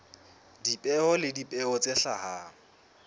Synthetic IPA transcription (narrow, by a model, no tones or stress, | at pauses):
dipʼɛɔlɪdipʼɛɔt͡sʼeɬa̰ha